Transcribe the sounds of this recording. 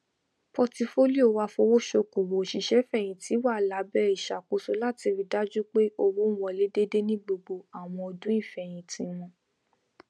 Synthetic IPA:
pɔ˧ti˧fo˦li˦o˨˧wa˧fɔ˧wo˦ʃo˧ko˨wo˨ʃi˨ʃɛ˨˦fɛ˦˨j̃ĩ˨ti˨˦wa˦˨la˨˦bɛ˦i˦˨ʃa˨ko˨˦so˧˦la˦˨ti˧fi˨˧da˦d͡ʒu˦k͡pe˦o˧wu˨˦wɔ̃˧le˨˦de˦de˦nĩ˦ɡ͡bo˧ɡ͡bo˧a˨w̃ɔ̃˧o˧dũ˦i˦˨fɛ˨j̃ĩ˨tĩ˧˦w̃ɔ̃˧

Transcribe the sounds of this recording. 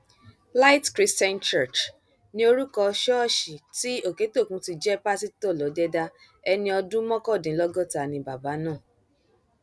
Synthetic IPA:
la˦i˦tkɾi˦stɛ̃˦nt͡ʃɛ˦˨t͡ʃ | nĩ˧˦o˧ɾu˦kɔ˧ʃɔ˦˨ʃi˨ti˦o˦˨ke˨˦to˦˨kũ˧˦ti˧d͡ʒɛ˦pa˦si˦tɔ˦˨lɔ˨˦dɛ˦da˧ | ɛ˧nĩ˧ɔ˧dũ˦mɔ̃˦kɔ˦˨dĩ˨˦lɔ˦ɡɔ˦ta˨nĩ˧ba˨ba˨˦nãː˦˨

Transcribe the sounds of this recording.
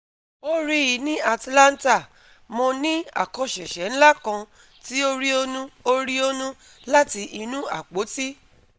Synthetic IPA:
o˦ɾi˦i˨˧˦nĩ˦a˧tlã˦n̩˦ta˦˨ | mo˧nĩ˦a̰˨kɔ̃˧ʃɛ˨ʃɛ˨˦n̩˦la˦kã˧ | ti˦o˦ɾi˦o˦nũ˦o˦ɾi˦o˦nũ˦ | la˦ti˧ʔi˧nũ˦a̰˨k͡po˨˦ti˦

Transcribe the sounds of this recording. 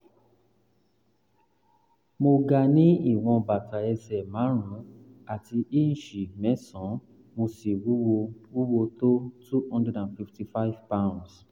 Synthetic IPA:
mo˧ɡa˧nĩ˦i˦˨w̃ɔ̃˧ba˨tʰa˨ɛ˧sɛ˨mãː˨˦ɾ̃ũ˨˦ | a˨ti˧ʔi˦ñ̩˨ʃi˨mɛ˨˦sɔ̃˨˦ | mo˧si˨wu˦o˧wu˦wo˧to˦tu˦hɔ̃˦ndɛ˦dã˨nfi˧fti˧fa˦i˦vpã˦˨ns

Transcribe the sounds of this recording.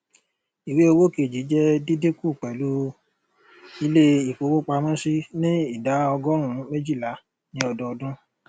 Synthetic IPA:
i˨we˨˦o˧wo˦˨ke˨d͡ʒi˨˦d͡ʒɛ˦di˦de˦ku˦˨k͡pɛ˨lu˦ | i˧˦le˦i˨k͡po˧˦wo˦k͡pa˧mã˦si˦nĩ˦i˦˨da˨˦ɔ˧ɡɔ˦ɾ̃ũ˦mẽ˦d͡ʒi˦˨la˨˦ | nĩ˦ɔ˧dɔ˧ɔ˧dũ˦

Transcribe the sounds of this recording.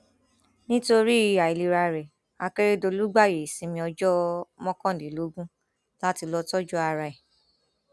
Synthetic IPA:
nĩ˦to˧ɾi˦i˦˧˨a˨i˨li˧ɾa˧ɾɛ˨ | a˧ke˦ɾe˦do˧lu˦ɡ͡ba˦˨je˨sĩ˧˦mĩ˧ɔ˧d͡ʒɔ˦mɔ̃˦kɔ̃˦˨de˨lo˨˦ɡũ˦ | la˦ti˧lɔ˧tɔ˦d͡ʒɔ˦a˧ɾa˧ɛ˨

